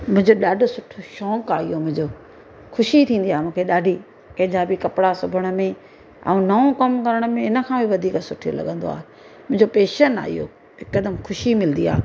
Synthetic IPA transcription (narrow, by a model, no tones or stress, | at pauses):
mʊ̃ɦɪ̃ɲd͡ʑoɗaːɖʱʊsʊʈʰoʃɔ̃ːŋkaːijomʊ̃ɦɪ̃ɲd͡ʑoː | xʰʊʃit̪ʰĩːnd̪iaːemũːkʰeɗaːɖʱi | kɐ̃ɦɪ̃d͡ʑabɪkɐpɪɽasʊbʱəɽ̃ə̆mẽ | ɛ̰̃ũnɐõkɐmkɐɾəɽ̃ʊmẽɪnə̆kʰãːbʱiʋɐd̪ʱiːksʊʈʰio̰lɐ̰ɠə̃nd̪o̰a̰ːɦe | mʊ̃ɦɪ̃ɲd͡ʑopeːʃəna̰ːɦḭjo̰ː | ɦɪkːəd̪əmxʰʊʃimɪlə̃nd̪ia̰ː